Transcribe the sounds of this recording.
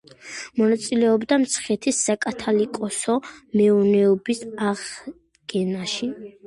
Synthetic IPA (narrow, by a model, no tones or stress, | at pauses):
mɔnat̪sʼilɛɔbd̪amt̪sʰχɛt̪ʰisːakʼat̪ʰalikʼɔsɔmɛunɛɔbisaʁ | ɡ̥ɛnaʃi